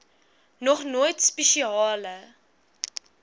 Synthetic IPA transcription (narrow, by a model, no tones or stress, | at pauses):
nɔχnoːjtspɛʃiɑːlə